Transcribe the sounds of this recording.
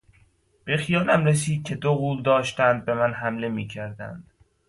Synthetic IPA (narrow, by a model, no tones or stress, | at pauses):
b̥e̞xijɒːlæmɾes̬iːd̪̚cʲʰe̞d̪oɣuːld̪ɒːʃt̪ænd̪̚be̞mænɦæmle̞miːcʰæɾd̪æ̰nd̪̥